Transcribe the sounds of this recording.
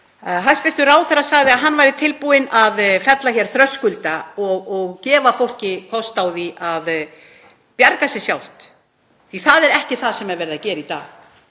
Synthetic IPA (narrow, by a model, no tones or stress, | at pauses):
ɦajst̪vɪr̥t̪ʏɾaːwθɛɾasaɣðɪaɦanːvajɾɪt̪ʰɪlpuɪnaðfɛt̪laçɛɾ̥θɾœskʏlt̪aɔɣɔɣcɛːvafowl̥cɪkʰɔst̪awðiað | pjaɾkasjɛsjawl̥t̪ | θiθaðɛɾɛhcɪθaðsɛmɛɾvɛɾðacɛːɾɪit̪a̰ːɣ